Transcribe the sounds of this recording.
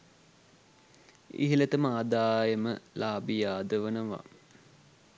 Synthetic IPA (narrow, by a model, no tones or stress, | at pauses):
ḭɦilet̪əmaːd̪aːjəməlaːbijaːd̪əʋənəʋa̰